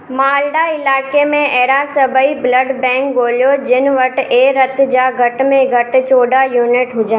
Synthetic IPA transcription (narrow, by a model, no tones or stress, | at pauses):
maːlɖaɪlaːkemẽɛɦɾasɐbʱəiblɐɖbɛ̃ːŋkɡoːljod͡ʑɪnɪ̆ʋɐʈeːɾɐt̪d͡ʑaːɡʱɐʈmẽɡʱɐʈ̆t͡ɕoːɖajuːnɪʈɦʊd͡ʑa